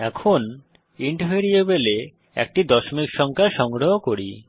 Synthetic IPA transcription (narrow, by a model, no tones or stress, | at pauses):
ɛkʰon | iɳʈoɦeɾiebele | ɛ̰k̚ʈid̪ɔʃomikʃɔŋkʰaʃɔŋɡɾoɦokoɾi